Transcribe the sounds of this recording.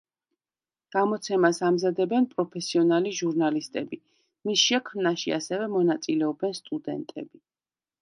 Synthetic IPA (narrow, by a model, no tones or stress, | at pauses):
ɡ̥amɔt̪sʰɛmasamzad̪ɛbɛnpʼɾɔpʰɛsiɔnaliʒuɾnalist̪ʼɛbi | misʃɛkʰmnaʃia̰sɛvɛmɔnat̪sʼilɛɔbɛnst̪ʼud̪ɛ̰nt̪ʼɛ̰bi